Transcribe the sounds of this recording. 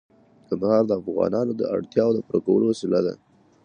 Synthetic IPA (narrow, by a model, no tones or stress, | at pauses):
kamahɑɾd̪əafɣɑ̰nɑnod̪ə̰ʔa̰ɽt̪jɑod̪əpɾakawəlowasɪlad̪a̰